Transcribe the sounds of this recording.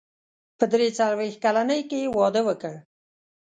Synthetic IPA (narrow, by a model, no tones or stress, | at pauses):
pəd̪ɾet͡saɾwex̚kalanəjkewɑd̪əwəkəɽ